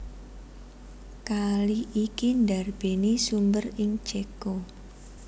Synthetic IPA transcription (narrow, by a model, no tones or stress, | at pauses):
kaliʔːkindarb̥e̤nisumbərɪŋt͡ʃeko